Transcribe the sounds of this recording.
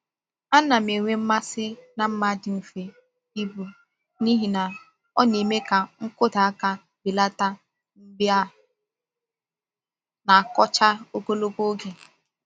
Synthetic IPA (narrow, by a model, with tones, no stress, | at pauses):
a˦na˨me˨ŋʷe˦m̩˦ma˦sɪ˦na˨m̩˦ma˦dɪ˨m̩˨fe˨ | i˦bu˨ | ni˦ɦi˨na˨ | ɔ˦ne˨me˦ka˨ŋ̩˦kʊ˦da˨a˦ka˦ | bɪ˨la˦ta˦ | m̩˦bja˦ | na˨a˨kɔ˦t͡ʃa˦o˦ko˦lo˦ko˦ɡe˨